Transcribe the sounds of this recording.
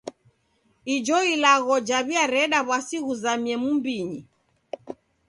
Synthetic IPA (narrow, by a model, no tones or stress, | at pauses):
id͡ʒɔilaɣɔd͡ʒaβiaɾɛɗaβwasiɣuzamiɛmumbiɲi